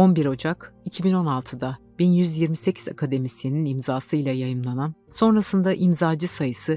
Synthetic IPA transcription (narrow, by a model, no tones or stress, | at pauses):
o̞nbiɾo̞d͡ʒakicʰibino̞nalˠt̪ʰɯd̪a | b̥injyzjiɾmise̞cʰiza̰kʰad̪e̞misininimzaːsɯjlʲˠajajɯmlˠananso̞nɾasɯnd̪aʔimzaːd͡ʒɯsajɯsɯ